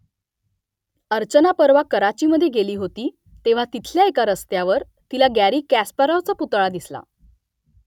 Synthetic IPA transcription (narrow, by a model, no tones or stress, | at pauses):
əɾt͡ɕənapəɾʋakəɾat͡ɕiməd̪ʱːjeɡeliːɦot̪iː | t̪eʋ̤at̪it̪ʰljaekaɾəst̪jaʋəɾ | t̪ilaɡæɾiːkːæspəɾəwt͡saput̪ɭad̪isla̰